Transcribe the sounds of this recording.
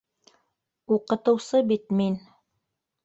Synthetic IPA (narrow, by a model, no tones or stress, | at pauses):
uqɤ̆t̪ɤ̆wsɤbit̪min